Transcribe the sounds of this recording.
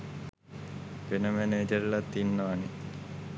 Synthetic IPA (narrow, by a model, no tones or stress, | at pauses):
ʋenəmæneːd͡ʒəɾilat̪ːinːaʋani